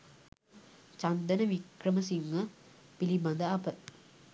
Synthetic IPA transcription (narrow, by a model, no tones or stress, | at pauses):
t͡ʃand̪ənəʋikɾəməsiŋːə | piliband̪əapət̪̚